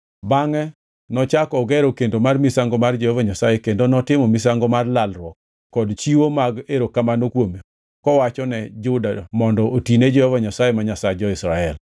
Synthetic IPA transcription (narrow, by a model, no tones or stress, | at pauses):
baŋɛ | nɔt͡ʃakɔɡɛɾokendomarmisaŋɡomard͡ʒehovaɲasajekendonɔtɪmɔmisaŋɡomarlalɾwɔkː | ɔdt͡ʃiwomaɡeɾokamanokwome | kɔwat͡ʃɔnɛd͡ʒʊdamɔndɔotined͡ʒɛhɔvaɲasajemaɲasad͡ʒɔɪsɾaɛl